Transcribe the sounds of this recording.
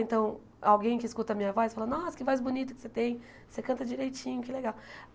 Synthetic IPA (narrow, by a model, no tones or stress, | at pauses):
ẽnt̪ɐ̃w̃ | awɡẽj̃kɪːskut̪ɐmĩɲɐvɔjsfalɐnɔskɪvɔjzbunit̪ʊkɪ̥set̪ẽj̃ | sekɐ̃nt̪ɐd͡ʒiɾejt͡ʃĩɲʊkɪleɡaw